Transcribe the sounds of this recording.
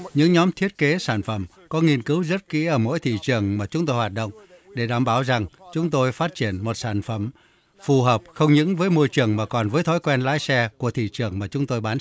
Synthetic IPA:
ɲɨ̰˧˥ŋɲɔ˨˦mt̪ʰi˦˥ət̚ke˨˦saː˧˩nfə˧˩m | kɔ˨˦ŋi˧ənkɨ˨˦wzə˦˥t̚kḭ˧˥ʔəː˧˩mo̰˧˥jt̪ʰḭ˧˨t͡ɕɨ˨˩əŋmaː˨˩t͡ɕʊ˨˦ŋ͡mt̪o˧jhwaː˨˩t̚ɗə̰˧˨wŋ͡m | ɗe˧˩ɗaː˧˩mɓaː˧˩wza˨˩ŋt͡ɕʊ˨˦ŋ͡mt̪o˧jfaː˦˥t̚t͡ɕi˧˩ənmo˨˩t̚saː˧˩nfə˧˩m | fu˨˩ɦəː˨˩p̚xə˧wŋ͡mɲɨ̰˧˥ŋvəː˨˦jmo˧jt͡ɕɨ˨˩əŋmaː˨˩kɔ˨˩nvəː˨˦jt̪ʰɔ˨˦jkwɛ˧nla̰ː˧˥jsɛ˧ku˧˩ət̪ʰḭ˧˨t͡ɕɨ˨˩əŋmaː˨˩t͡ɕʊ˨˦ŋ͡mt̪o˧jɓaː˨˦n

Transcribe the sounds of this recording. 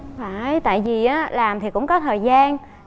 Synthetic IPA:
faː˨˧˩ʔjt̪a̰ː˧˨jvi˨˩ʔaː˨˦laː˨˩mt̪ʰi˨˩kʊ̰˧˥ŋ͡mkɔ˨˦t̪ʰəː˨˩jzaː˧n

